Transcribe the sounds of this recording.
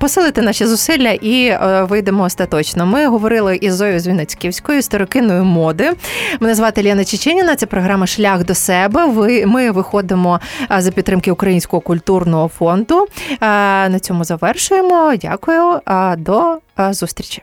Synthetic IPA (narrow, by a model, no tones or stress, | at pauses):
pɔsɪlˠɪt̪enɑʃɛzʊsɪlʲːɐʔiʋɪjd̪emɔːst̪ɐt̪ɔt͡ʃnɔmɪɦɔʋɔɾɪlˠɪʔizɔjʊzʲʋʲinet͡sʲkiwsʲkɔjʊst̪eɾɔkɪnɔjʊmɔd̪ɪmɪnɐzʋɑt̪elʲanɐt͡ʃɪt͡ʃɛnʲinɐt̪sɛpɾɔɦɾɑmɐʃlʲaxd̪ɔsɛbɛʋɪmɪʋɪxɔd̪ɪmɔzɐpʲid̪t̪ːɾɪmkɪʊkɾɐjinʲsʲkɔɦɔkʊlʲt̪urnɔɦɔfɔnd̪ʊ | nɐt͡sʲɔmʊzɐʋɛrʃʊjemɔdʲa̰kʊjʊd̪ɔzust̪ʲɾʲit͡ʃi̥